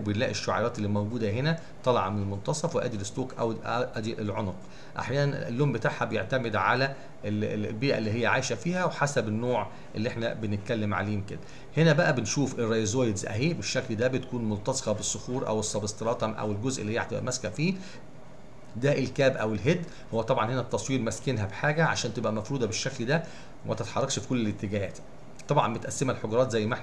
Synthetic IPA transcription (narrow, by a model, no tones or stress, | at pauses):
benlæːʔeʃːoʕɑ̰ɾˤɑːt̪elːimæwɡuːd̪æɦenæ | t̪ˤɑlɑ̰ʕɑmenelmont̪ɑsˤɑfweʔæ̰ːd̪ilest̪oːkʔæ̰wʔʔæd̪iʔelʕonoq | ʔa̰ħjæːnænḛlːoːmbet̪aːʕhæbejeʕt̪æmed̪ʕalæ | lbiːʔæ̰lːiːɦejːæʕaːjʃæfiːhæweħasæbenːoːʕ | ʔelːiʔeħnæbenɪt̪̚kælːemʕa̰leːmked̪æ | henæbæʔæbenʃuːfʔerˤːɑjezojd̪zʔæ̰ɦiːbeʃːækld̪æbet̪kuːnmolt̪ɑze̥qɑbesːoxuːɾˤʔæ̰wesːɑbest̪eɾˤɑːt̪ˤɑmʔæ̰welɡozʔelːihejːæt̪ebʔæ̰mæskæfiː | d̪æːʔelkæːbʔæwelɦed̪ | howːæt̪ˤɑbʕɑnhenæt̪ːɑsˤwiːɾmæskenɦæbħaːɡæʕa̰ʃæːnt̪ebʔæmæfɾuːd̪ˤɑbeʃːækld̪æ | mæt̪æt̪ħɑrˤːɑkʃfi̥kolːelet̪ːeɡæhæːt̪ | t̪ˤɑbʕɑnbet̪ʔæsːemælħoɡɑɾˤɑːt̪zæjːmæʔeħ